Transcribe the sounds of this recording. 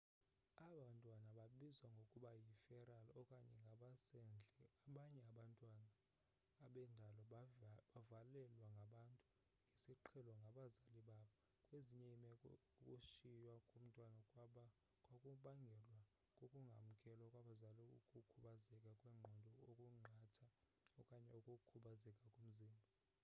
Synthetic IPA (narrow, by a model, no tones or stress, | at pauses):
aɓantʼwanaɓaɓizwaŋɡʱokʼuɓajifɛɾalɔkʼaɲɛŋɡʱaɓasɛnd͡ɮʱɛaɓaɲɛaɓantʼwanaː | ɓɛndʱalɔɓavalɛlwaŋɡʱaɓantʼu | ŋɡʱesiǃʰɛlɔŋɡʱaɓazaliɓaɓa | kʼweziɲɛimɛ | ukʼuʃijwakʼum̩tʼwanaɓa | kʼwakʼuɓaŋɡʱɛlwa | kʼokʼuŋɡʱa̰m̩kʼɛlɔkʼwaɓazaluukʼukʰuɓazɛkʼakʼwɛŋ͡ǃʱɔndʱɔokʼuŋ͡ǃʱatʰa | ɔkʼaɲɛukʼukʰuɓazɛkʼakʼum̩ziːmbʱi